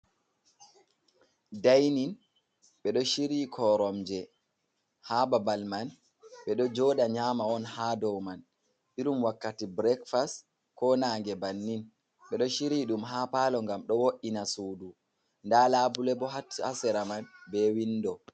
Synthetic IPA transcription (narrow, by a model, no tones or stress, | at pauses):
dajnin | ɓɛɗɔʃiɾiːkʰɔɾɔmd͡ʒɛ | haːbabalman | ɓɛɗɔd͡ʒɔːɗaɲaːmaɔnhaːdɔwman | ɓiɾumwakːatibɾɛkfast | kɔnaːŋɡɛbanːin | ɓɛɗɔʃiɾiɗumɦaːpaːlɔŋɡamɗɔwoʔinasuːdu | ndalaːbulɛbɔɦatʰːiasɛɾamanbɛwindɔ